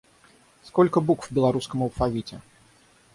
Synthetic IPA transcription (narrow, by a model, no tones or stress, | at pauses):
skɔlʲkəbukvbʲɪlˠɐɾuskəmɐlˠfɐvʲitʲɪ̰